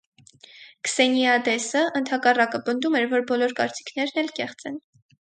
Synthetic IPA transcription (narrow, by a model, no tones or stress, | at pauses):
ksɛniɑd̪ɛsəʔənt̪ʰhɑkɑrɑkəpənd̪umɛɾvɔɾbɔlɔɾkɑ̰ɾt͡si̥kʰnɛɾnɛlkɛχt͡sɛn